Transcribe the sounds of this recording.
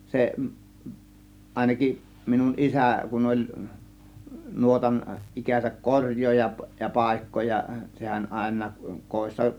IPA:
se ɑˑe̝nɑkiʔ minun isæˑ kun olʲ nuotɑn ʔikæsæk korʲjˑoːjɑ jɑ pɑˑe̝kːoːjɑ sehæn ʔɑˑe̝nˑɑːk koˑe̝sːɑ

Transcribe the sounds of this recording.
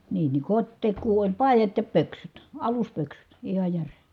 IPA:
niː ni kotʲtekˑuː olʲ pɑˑi̯jɑt jɑ pøksyt ɑluspøksyt ihɑ jære

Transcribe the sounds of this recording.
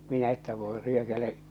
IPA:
minæ etːæ ʋoˑe̝ ryøkæle

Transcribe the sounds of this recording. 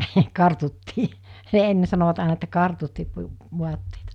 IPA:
hə kɑrtutːiː enːe sɑnoʋɑt ɑˑenɑ etːæ kɑrtutːiː ʋuɑtːeitɑ

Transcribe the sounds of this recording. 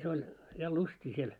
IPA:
se olʲ jɑ lustiː siel

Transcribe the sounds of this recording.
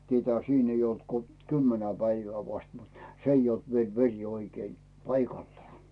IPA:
tietæhæ̆ siːn ei olt ko kymːenæ pæiʋæː ʋɑst mut s ei olt ʋiel ʋerʲ oikei pɑikɑlːŏɑː

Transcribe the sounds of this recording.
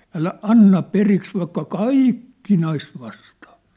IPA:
ælæ ɑnːɑ periks ʋɑikːɑ kɑiˑk kinɑis ʋɑstɑː

